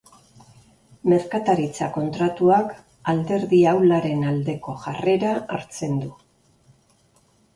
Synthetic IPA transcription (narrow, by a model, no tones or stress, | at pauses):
me̞ɾkat̪aɾit͡sako̞nt̪ɾat̪uak | ald̪e̞ɾðiawlaɾe̞nald̪e̞ko̞ʝare̞ɾaa̰ɾt͡se̞nd̪u